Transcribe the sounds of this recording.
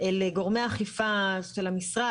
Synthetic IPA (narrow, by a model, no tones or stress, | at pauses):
eleɡo̞ʁmeaχifaʃelhamisʁa